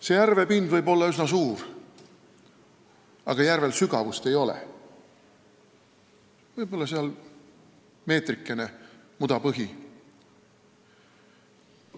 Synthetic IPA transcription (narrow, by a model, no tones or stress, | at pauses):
sejærve̞pind̪vɤjbo̞lːɑysnɑsuːr | ɑ̰ɡ̥ɑjærve̞lsyɡ̥ɑvust̪e̞jo̞lḛ | vɤjb̥o̞lːɑseɑl | me̞ːt̪rikːˑe̞ne̞mud̪̥ɑpɤɦi